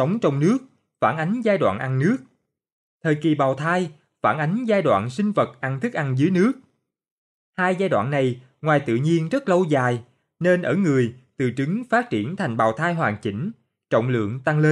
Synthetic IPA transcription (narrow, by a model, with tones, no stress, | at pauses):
sə˨˦wŋ͡mt͡ɕɔ˧wŋ͡mnɨ˦˥ək̚ | faː˧˩nʔa˨˦jŋ̟zaː˧jɗwa̰ː˧˨nʔa˧nnɨ˦˥ək̚ | t̪ʰəː˨˩jki˨˩ɓaː˨˩wt̪ʰaː˧j | faː˧˩nʔa˨˦jŋ̟zaː˧jɗwa̰ː˧˨nsï˧ŋ̟və˨˩t̚ʔa˧nt̪ʰɨ˦˥k̚ʔa˧nzɨ˨˦jnɨ˦˥ək̚ | haː˧jzaː˧jɗwa̰ː˧˨nːa˨˩j | ŋwaː˨˩jt̪ɨ̰˧˨ɲi˧ənzə˦˥t̚lə˧wzaː˨˩j | ne˧nʔəː˧˩ŋɨ˨˩əjt̪ɨ˨˩t͡ɕɨ˨˦ŋfaː˦˥t̚t͡ɕi˧˩ənt̪ʰa˨˩jŋ̟ɓaː˨˩wt̪ʰaː˧jɦwaː˨˩nt͡ɕï˧˩ŋ̟ | t͡ɕo̰˧˨wŋ͡mlɨ̰˧˨əŋt̪a˧ŋle˧n